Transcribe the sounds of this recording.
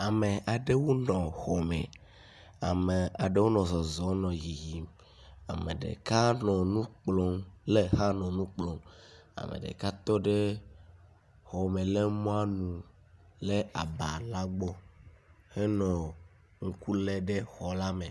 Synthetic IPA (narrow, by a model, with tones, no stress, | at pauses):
a˨me˨ʔa˨ɖe˦wo˦nɔ̃˨xɔ˨mḛ˨ | a˨me˨a˨ɖe˦wo˦nɔ̃˨sɔ˨zɔ˨˦nɔ̃˨ji˨ji˨m | a̰˨mḛ˨ɖḛ˨ka˦nɔ̃˨nũ˦k͡plɔ˦ŋle˦ha˦nɔ̃˨nũ˦k͡plɔ˨˦m | a̰˨mḛ˨ɖḛ˨ka˦t̪ɔ˦ɖe˦ | xɔ˨me˨le˦mɔ̃˦a˦nũ˨ | le˦a˨ba˨la˦ɡ͡bɔ˦ | he˦nɔ̃˨ | ŋ̩˦ku˦le˦ɖe˦xɔ˨la˦me˨